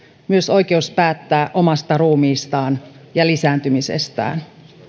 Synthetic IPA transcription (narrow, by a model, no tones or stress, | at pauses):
myø̞so̞jk̟e̞uspæːt̪ːæːʔo̞mɑst̪ɑɾuːmiːst̪ɑːn | jɑlisæːnt̪ymisḛst̪æ̰ːn